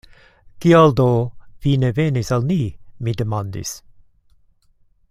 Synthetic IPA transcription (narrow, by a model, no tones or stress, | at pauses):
kiald̪ovinevenisalnimid̪emand̪ḭs